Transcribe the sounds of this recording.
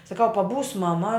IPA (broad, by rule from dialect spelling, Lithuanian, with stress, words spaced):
sɐˈkɐʊ pɐˈbuːs mɐˈmɐ